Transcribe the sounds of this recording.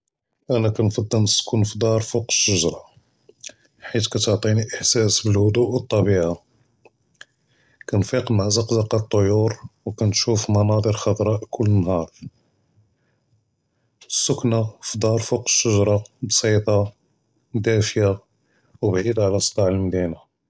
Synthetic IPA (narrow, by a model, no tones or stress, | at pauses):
ʔænækænfɑd̪ˤːəlnəsːkunfd̪ɑɾˤfuqə̥ʃːəʒɾˤɑ | ħit̪kæt̪əʕt̪ˤiniʔəħsæsbəlhʊd̪uʔwət̪ˤːɑbiʕa | kænfiqmaʕzɑqzɑqɑt̪ˤːojuɾwkænt̪ʃufmɑnɑd̪ˤəɾxɑd̪ˤɾˤɑʔkʰʊlːənhɑɾˤ | sːʊknafd̪ˤɑɾˤfuqə̥ʃːəʒɾˤɑbsˤit̪ˤɑ | d̪æfja | wbʕid̪ʕlæsˤːt̪ˤɑʕəlmd̪ina